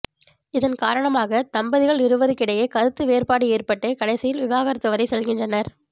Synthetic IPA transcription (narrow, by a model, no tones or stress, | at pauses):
ɪðɐnkaːɾɐɳɐmaːɣɐt̪ɐmbɐðɪɣɐɭɪɾɯʋɐðɯkɪɽɐjeːkɐðɯt̪ːɯʋeːrpaːɽɯeːrpɐʈːɯkɐɽɐɪsɪjɪlʋɪbaːɣɐɾɐt̪ːɯʋɐɾɐɪsɛlɣɪndrɐnɐɾ